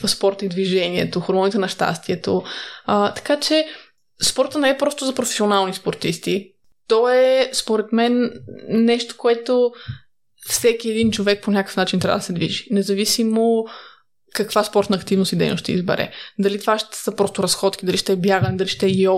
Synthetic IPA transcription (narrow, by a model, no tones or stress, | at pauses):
ɐspɔɾt̪id̪viʒɛniɛ̰t̪oxoɾmɔnit̪ɛnɐʃt̪a̰st̪iɛt̪oət̪ɐ̥kat͡ʃɛ | spɔɾt̪ənɛɛpɾɔst̪ʊzɐpɾofɛ̥sionalˠnispoɾt̪ist̪i | t̪ɔɛspoɾɛt̪mɛnː | ɛʃt̪o̥koɛt̪o | fsɛk̟iɛd̪int͡ʃovɛk̚ponʲakə̥fnat͡ʃint̪ɾʲa̰v̰əd̪sɛd̪vḭʒinɛzɐvisimo | kɐkv̥aspɔɾt̪nɐkt̪ivnost̪id̪ɛ̰jno̰ʃt̪ɛ̰ḭzbɛ̰ɾʔɛ̰d̪ɐlit̪ovaʃt̪ɛ̥sɤpɾɔst̪oɾɐsxɔt̪k̟id̪ɐliʃt̪ɛɛbjaɡənɛd̪ɐliʃt̪ɛɛiɔ